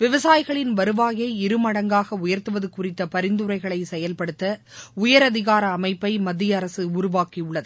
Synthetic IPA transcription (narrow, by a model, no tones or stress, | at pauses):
ʋɪʋɐsaːjɣɐɭɪnʋɐɾɯʋaːjɐɪɪɾɯmɐɽɐŋɡaːɣɐʊjɐɾt̪ɯʋɐðɯkʊrɪt̪ːɐpɐɾɪnd̪ɯɾɐɪɣɐɭɐɪsɛjɐlpɐɽɯt̪ːɐʊjɐɾɐðɪɣaːɾɐːmɐɪpːɐɪmɐd̪ːɪjɐːɾɐsɯʊɾʊʋaːkiʊɭːɐðɯ